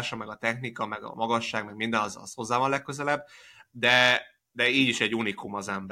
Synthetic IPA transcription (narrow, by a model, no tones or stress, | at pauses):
ʃɒmɛɡɒt̪ɛxnikɒmɛɡɒ̰mɒɡɒʃːaːɡmɛɡmind̪ɛnɒzɒ̰sho̞zːaːvɒnlɛkːøzɛlɛb̚ː | d̪ɛ | d̪ɛiːɟiʃɛɟunikumɒzɛmb